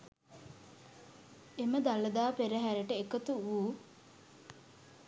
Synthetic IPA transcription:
eməd̪aləd̪aːpeɾəɦæɾəʈəekət̪uuː

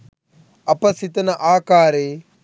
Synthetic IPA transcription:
ɐpɐsit̪ɐnɐʔaːkaːɾeː

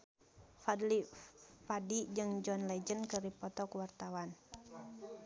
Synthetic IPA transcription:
fadlifadid͡ʒɨŋd͡ʒɔnlɛd͡ʒənkɨripɔt̪ɔkuwart̪awan

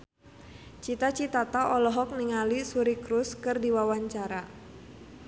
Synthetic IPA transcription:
t͡ʃit̪at͡ʃit̪at̪aʔɔlɔɦɔk̚niŋalisuɾikɾuskɨrdiwawaɲt͡ʃaɾa

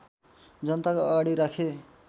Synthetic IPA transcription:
d͡zʌnt̪akoʌɡaɽiɾakʰe

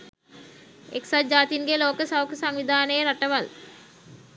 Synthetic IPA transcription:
eksad͡ʒaːt̪inɡeloːkəsawkəsaŋʋid̪ʱaːnəjəɾaʈəʋal

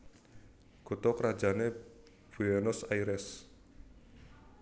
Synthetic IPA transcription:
kut̪ɔkəɾḁd͡ʒane | b̥uɛnɔsaiɾɛs

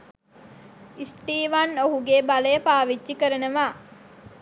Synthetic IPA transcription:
isʈiːʋanoɦuɡebaləjəpaːʋid͡ʒːikəɾənəʋaː

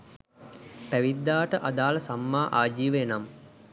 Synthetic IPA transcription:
pæʋid̪ːaːʈəʔad̪aːləsamːaːʔaːd͡ʒiːʋəenam

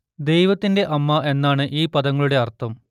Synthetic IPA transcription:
d̪e̞jʋɐt̪ːinde̞ʔɐmːɐʔe̞nːaːɳɨʔiːpɐd̪ɐŋːɐɭuɽe̞ɐrt̪ːɐm

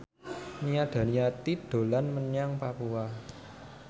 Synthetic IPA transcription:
nijad̪̥a̤niat̪id̪̥o̤lanməɲaŋpapua

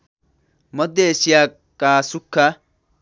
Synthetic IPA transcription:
mɔd̪ːɛːsɪjaː | kʼaːsʊkːɐ

